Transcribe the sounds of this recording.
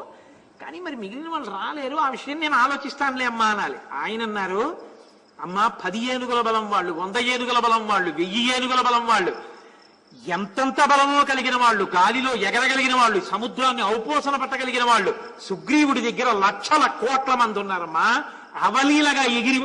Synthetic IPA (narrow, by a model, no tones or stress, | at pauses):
ka̰ːniːmɐɾimiɡilinɐʋɐːɭːuɾaːle̞ːɾuaːʋiʂɐjɐmne̞ːnuaːlo̞ːt͡ʃist̪aːnleːɐmːaːnaːlḭaːjɐnɐnːaːɾu | ɐmːaːpɐd̪ijeːnuɡɐlɐbɐlɐmʋaːɭːuʋond̪ɐjeːnuɡɐlɐbɐlɐmʋaːɭːuʋejːijeːnuɡɐlɐbɐlɐmʋaːɭːu | ɛnt̪ɐnt̪ɐbɐlɐmlo̞ːkɐliɡinɐʋaːɭːuɡaːlilo̞ːjɛɡɐɾɐɡɐliɡinɐʋaːɭːusɐmud̪ɾaːnːiɐwpɔːʃɐnɐpɛʈːɐɡɐliɡinɐʋaːɭːu | suɡɾiːwuɽid̪ɐɡːɐɾɐlɐkʂɐlɐkɔːʈlɐmɐnd̪unːaːɾɐmːaː | ɐʋɐliːlɐɡaːeɡiɾi